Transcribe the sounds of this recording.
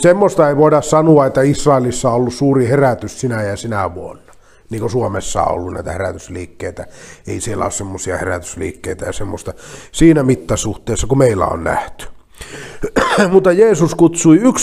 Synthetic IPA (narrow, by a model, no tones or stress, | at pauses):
semːost̪ɑeiʋoˑidɑssɑnuɑet̪ːæisrɑˑelisːɑoolːussuːriheræt̪yssinæjæsinæʋuonːɑ | niːŋkosuomesːɑ̰o̰lːunnæ̰ˑit̪æheræ̰t̪ysliːkːeit̪æḛˑisielːæ̰o̰ssemːosiɑ̰heræ̰t̪y̥slḭːkːeit̪æjɑsemːo̰st̪ɑsiːnæmit̪ːæsuht̪ˑeˑːsːɑkumeilːæ̰o̰nnæ̰ht̪y̥ | mut̪ːɑjeːsuskut̪suiyks